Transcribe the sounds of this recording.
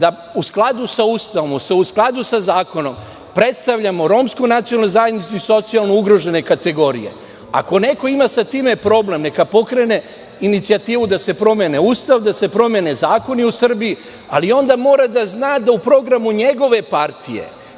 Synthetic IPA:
d̪a | usklˠad̪usauːst̪aʋomuseusklˠad̪usazaːko̞no̞m | pɾe̞t̪st̪aʋʎamo̞ɾo̞mskojnat̪sioalnojzajed̪nit̪suiso̞t̪sialˠnouɡɾo̞ʒe̞ne̞kat̪e̞ɡo̞ɾḭje̞̰ | a̰ko̞ne̞ko̞imasat̪iːme̞pɾo̞ble̞mne̞kapo̞kɾe̞ne̞ | init̪siat̪iːʋud̪ase̞pɾo̞meneuːst̪aʋd̪ase̞pɾo̞mje̞ne̞zaːko̞niusr̩bii | alio̞nd̪amo̞ːɾad̪aznaːd̪aupɾo̞ɡɾamuɲe̞ɡo̞ʋe̞paɾt̪ʰije̞̰

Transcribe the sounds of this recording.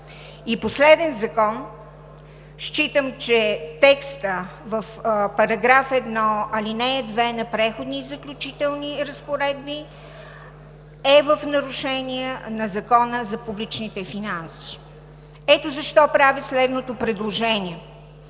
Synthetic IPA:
iposlɛd̪ɛnzɐkɔn | ʃt͡ʃit̪əmt͡ʃɛt̪ɛkst̪əvəfpɐɾɐɡɾafɛd̪nɔɐlinɛɛd̪vɛnɐpɾɛxod̪nizəklʲut͡ʃit̪ɛlˠniɾəspoɾɛd̪bi | ɛvəfnɐɾuʃɛniɛnɐzɐkɔnəzɐpublit͡ʃnit̪ɛfinansi̥ | ɛt̪ozɐʃt̪ɔpɾavislɛd̪not̪opɾɛd̪lˠoʒɛnʲiɛ

